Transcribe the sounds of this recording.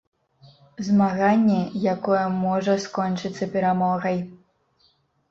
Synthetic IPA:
zmaɣanʲːɛjakɔjɛmɔʐɐskɔnt͡ʂɨt̪sːɐpʲɛɾamɔɣɐj

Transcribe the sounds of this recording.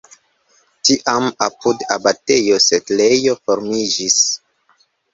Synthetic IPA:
tiʔamapudabate̞jo̞setlejo̞fo̞ɾmid͡ʒis

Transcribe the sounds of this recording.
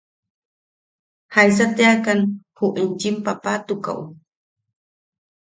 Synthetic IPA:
hajs̬at̪akanhuʔint͡ʃimpapat̪ʊka̰w

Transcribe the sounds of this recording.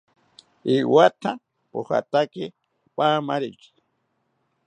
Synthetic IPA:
iwat̪ʰa | poha̰t̪aki | pʼaːmaɾiki̥

